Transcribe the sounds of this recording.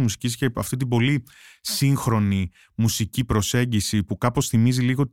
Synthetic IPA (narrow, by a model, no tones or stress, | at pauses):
musi̥cisceɐft̪it̪̬ibo̞li | siŋxɾo̞ni | musicipɾo̞se̞ɲɟisipukɐpo̞sθimiziliɣo̞